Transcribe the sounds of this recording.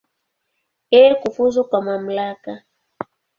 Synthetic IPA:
ɛkufuzukwamam̩laka

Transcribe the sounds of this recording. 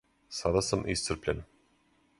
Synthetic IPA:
sad̪asamʔist̪sərɾplʲen

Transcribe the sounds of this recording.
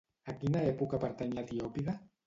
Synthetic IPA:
akinaepukapaɾt̪aɲlat̪iopiða

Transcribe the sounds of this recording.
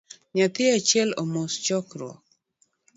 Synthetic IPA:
ɲat̪ɪat͡ʃjɛlomost͡ʃɔkɾwɔ̰k

